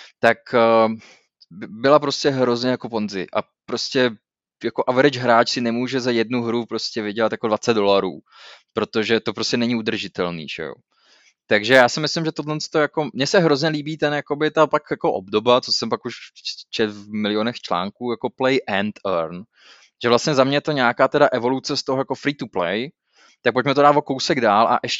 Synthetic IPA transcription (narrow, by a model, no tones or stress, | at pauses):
t̪akː | bɪbɪlapɾo̞scɛɦɾo̞zɲɛjako̞po̞nzɪ̰ʔa̰ | pɾoscɛ | jako̞ʔavɛɾɪd͡ʒɦɾaːt͡ʃsɪnɛmuːʒɛzajɛd̚nuɦɾupɾo̞scɛvɪɟɛlat̪jakodvat͡sɛd̪̚do̞laɾṵː | pɾo̞t̪o̞ʒɛt̪o̞pɾoscɛnɛɲɪud̪r̩ʒɪt̪ɛlnḭːʒ̥ɛ̰jo̰ | t̪aɡʒɛjaːsɪmɪslɪmʒɛt̪odlɛnst̪ojako̞mɲɛsɛɦɾo̞zɲɛliːbiːt̪ɛnjako̞bɪt̪apakjako̞ʔo̰bdobat͡sosɛmpakuʃt͡ʃɛt̪vmɪlɪonɛxt͡ʃla̰ːŋkuːjako̞plɛjʔɛnt̪ɛɾn | ʒ̥ɛvlastɲɛzamɲɛt̪o̞ɲaakaːt̪ɛdaʔɛvo̞lut͡sɛst̪oɦojako̞fɾiːt̪uplɛj | t̪ak̚pocmɛt̪odaːt̪vokowsɛɡdaːlʔa̰ʔɛʃ